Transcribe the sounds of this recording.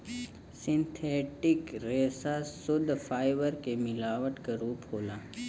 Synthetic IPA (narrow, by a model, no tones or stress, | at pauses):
sɪ̃nt̪ʰeːʈɪkɾeːsasʊd̪ʱfaːɪʋəɾkemɪlaːʋəʈkaɾuːpɦoːlaː